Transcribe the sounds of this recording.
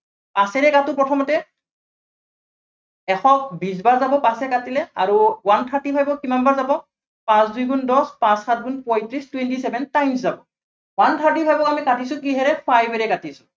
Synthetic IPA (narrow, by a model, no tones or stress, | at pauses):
pãsɛɹɛkatʊpɹɔtʰɔmɔtɛ | ɛxɔkbisbaɹzabɔpasɛkatilɛaɹuwantʰaɹtipʰajbɔkimanbaɹzabɔ | pãsdujɡundɔspãsxat̚ɡunpɔjtɹistwɛntisɛbʱɛntajmszabɔ | wantʰaɹtipʰajbɔkamikatisʊ̃kiɦɛɹɛpʰajbɛɹɛkatisʊ